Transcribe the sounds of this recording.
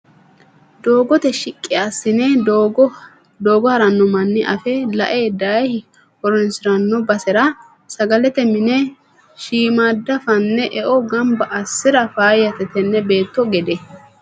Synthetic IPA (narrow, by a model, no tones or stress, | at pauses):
d̪oːɡɔt̪ɛʃɪkʼːɪasːɪnɛ | d̪o̞ːɡɔhɐɾɐnːɔmɐnːɪʔɐfɛlɐʔeːd̪ɐhɪ | ɔɾɔnsɪɾɐnːɔbɐsɛɾɐ | sɐɡɐlɛt̪ɛmɪnɛ | ʃiːmaːd̪ːɐfɐnːɛʔɛʔɔɡɐmbɐʔɐsːɪɾɐfaːjɐt̪ɛt̪ɛnːɛbe̞ːt̪ːɔɡɛd̪ɛ